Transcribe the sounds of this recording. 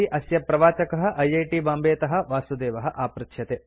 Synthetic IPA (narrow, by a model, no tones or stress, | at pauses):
iʔɐsjɐpɾɐʋaːt͡ʃɐkɐɦɐ̆ʔɐjɐjʈibaːmbeːt̪ɐɦɐ̆ʋaːsud̪eːʋɐɦɐ̆ʔaːpɾɪkʃjɐt̪eː